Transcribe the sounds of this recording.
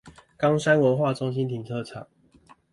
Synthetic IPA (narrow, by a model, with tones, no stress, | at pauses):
kɑ˥ŋʂa˥nwə˨˥xwa˥˨t͡sʊ˥ŋɕ̬i˦nt̪ʰi˨˦ŋt͡sʰɤ˥˧ʈ͡ʂʰɑ̰˨˩˦ŋ